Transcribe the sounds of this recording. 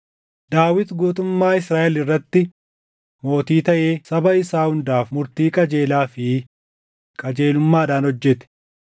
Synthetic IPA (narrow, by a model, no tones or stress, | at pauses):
d̪aːwɪt̪ɡuːt̪ʊmːaːɪsɾaːʔɛlɪrːɐt̪ːɪ | mo̞ːt̪iːt̪ɐʔe̞ːsɐbɐɪsaːhʊnd̪aːfmʊɾt̪iːkʼɐd͡ʒe̞ːlaːfɪ | kʼɐd͡ʒe̞ːlʊmːaːɐd̪aːnhɔd͡ʒːɛt̪ɛ̥